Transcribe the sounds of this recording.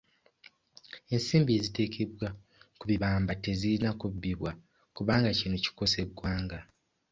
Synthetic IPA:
e̞nsiːmbie̞zite̞ːkʰe̞βwa | kuβiβaːmbate̞ziinakubiβwa | kuβaːŋɡacinoci̥ko̞se̞ɡwaːŋɡa

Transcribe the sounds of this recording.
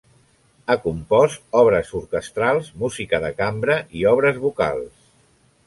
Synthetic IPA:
akumpɔst̪ɔβɾəzuɾkəst̪ɾalˠzmuzikəðəkambɾəʔiɔβ̞ɾəzβuka̰lˠs

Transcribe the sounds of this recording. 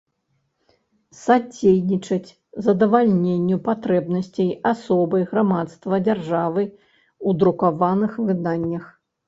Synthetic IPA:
sad͡zʲejnʲit͡ʂɐt͡sʲ | zɐd̪ɐvalʲnʲenʲːupat̪ɾɛbnɐsʲt͡sʲejasɔbɐjɣɾamat̪st̪vɐd͡zʲarʐavɨ | ud̪ɾukavanɨxvɨd̪anʲːɐx

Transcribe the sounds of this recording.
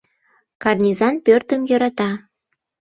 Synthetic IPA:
kɑrnʲizɑnpørt̪əmjɤɾɑt̪ɑ

